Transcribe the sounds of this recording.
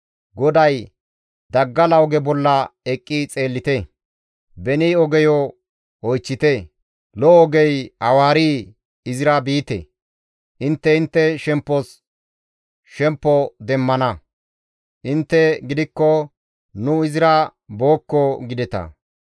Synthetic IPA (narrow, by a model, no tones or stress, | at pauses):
ɡɔd̪ɐj | d̪ɐɡːɐlɐwɡɛbɔlːɐɛkʼːit͡sʼe̞ːlːɪt̪ɛ | bɛniːɔɡɛjɔ | ɔjt͡ʃːɪt̪ɛ | lɔːɡɛjɐwaːɾiː | ɪzɪɾɐbiːt̪ɛ̰ | ʔɪnt̪ːɛɪnt̪ːɛʃɛmpːɔs | ʃɛmpːɔd̪ɛmːɐnɐ | ʔɪnt̪ːɛɡɪd̪ɪkːɔ | nʊɪzɪɾɐboːkːɔɡɪd̪ɛt̪ɐ̰